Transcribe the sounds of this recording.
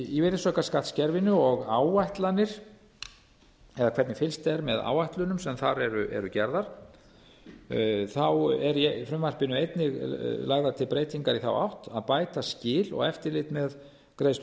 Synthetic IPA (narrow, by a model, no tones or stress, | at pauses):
iveɾɪsœhkaskat̪scɛɾvɪnʏɔɣawajht̪lanɪɾ̥ | ɛðakʰɛt̪nɪfɪlst̪ɛɾmɛða̰wajht̪lʏnʏmsɛmθaɾɛɾʏʔɛ̰ɾʏcɛɾðaɾ̥ | θawɛɾjɛfɾʏmvar̥pɪnʏejt̪nɪɣlaɣðat̪ʰɪlpɾeːjt̪iŋkaɾiθa̰wa̰wht̪aðpaːjt̪ascɪːlɔ̰ɣɛft̪ɪɾlɪt̪mɛð | kɾejst̪